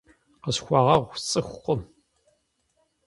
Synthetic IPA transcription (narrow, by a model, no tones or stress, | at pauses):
qəsxʷɑːʁɐʁʷt͡sʼɨxʷqʷʊm